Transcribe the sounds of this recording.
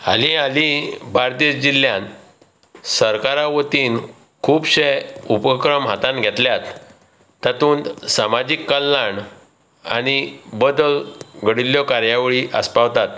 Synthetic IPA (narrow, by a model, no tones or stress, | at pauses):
a̰lialibʱaɾt̪isd͡ʑiljãn | səɾkaɾaʋət̪iːn | kʰuːbɕeupəkɾəmɦat̪ãnɡʱɛt̪ljat̪ː | at̪uːnsamad͡ʑikːəlːaɳ | a̰ɽ̃ibəd̪əlɡʱəɽiljɔkaɾjaʋeɭiʔəspaʋt̪at̪